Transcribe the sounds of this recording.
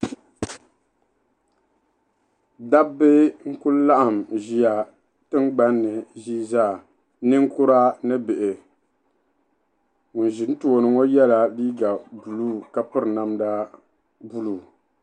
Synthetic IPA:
da˦bɪ˦ŋ̩˦ku˦lla˦ʔa˨m˨ʒi˦ja˨ | tɨ˦ŋɡ͡ba˦nːɨ˨ʒiː˦zaː˦˨ | nɨ˦ŋ̩˦kʊ˦ɾa˦nɨ˦bɪ˨ʔɪ˨ | ŋu˨n˨ʒi˨˦n˦tu˨o˨nɨ˨ŋo˦jɛ˦la˨liː˦ɡa˨bu˨lu˦ka˨pɨ˦ɾna˦mda˦ | bu˦lu˦˨

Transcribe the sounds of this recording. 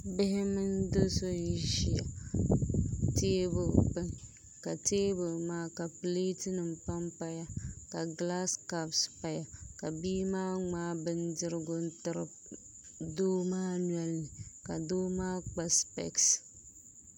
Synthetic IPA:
bɪ˦hɪ˦mɨ˦ndo˦so˦n˨ʒi˨ja̰˨ | te˦bʊ˨lk͡pɨ˦ŋ˨ | ka˨te˦bʊ˨lmaː˦ka˨ple˦tɪ˦nɨ˨m̩˨pa˦mpa˦ja˦ka˨ɡla˦ska˦bspa˨ja˨ka˨biː˦maː˦ŋ͡maː˦bɨ˦ndɨ˦ɾɨ˦ɡʊ˦n˦tɨ˦ɾɨ̰˨b | doː˦maː˦nwɛ˦lnɨ˨ka˨doː˦maː˦k͡pa˨spɛ̰˨ks

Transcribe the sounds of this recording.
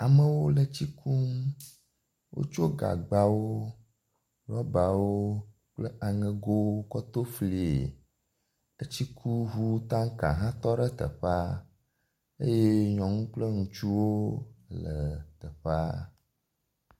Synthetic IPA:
a˨mə̃˦wo˦lə˨t͡ɕi˦kʰu˦m˦ | wʔo̰˦t͡ʃo˦ɡa̰˨ɡ͡ba˨wo˦ | ɖɔ˦ba˨wo˦ | k͡plə˦a˨ŋɛ̃˨ɡo˦kɔ˦t̪o˦fli˨e˨ | ə˦t͡ɕi˦kʰu˦ɦu˦t̪ã˦ŋ˦kã̰˨ɦã˦t̪ɔ˦ɖə˦t̪ə̰˨ɸa˦ | e˦je˦ɲɔ̃˨ŋũ˦k͡plə˦ŋũ˨t͡ʃu˦wo˦lə˨t̪ə˨ɸa˦

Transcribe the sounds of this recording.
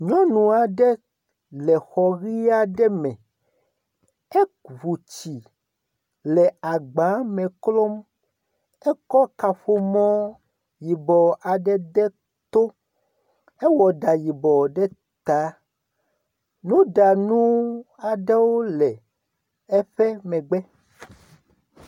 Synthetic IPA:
ɲɔ̃˦nũ˨a˨ɖɛ˦ | lɛ˨xɔ˨ɣi˦a˦ɖɛ˦mɛ̃˨ | e˦vu˨t͡ɕi˨ | lɛ˨a˨ɡ͡ba˨˦mɛ̃˨klɔ˦m | ɛ˦kɔ˦ka˨ɸo˦mɔ̃˦ | ji˨bɔ˨ʔa˨ɖɛ˦d̪ɛ˦ | t̪o˦ | e˦wɔ˨ɖa˨ji˨bɔ˨ɖɛ˦ | t̪a˨˦ | nũ˦ɖa˨nũ˦ | a˨ɖɛ˦wo˦lɛ˨ | e˦ɸɛ˦mɛ̃˨ɡ͡bɛ˦

